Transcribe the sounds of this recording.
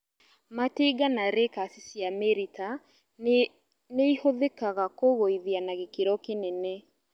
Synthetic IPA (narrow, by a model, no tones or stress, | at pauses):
mateɡanaɾekasisjameɾita | neihoðekaɣakoɣoiðianaɣekeɾɔkenɛnɛ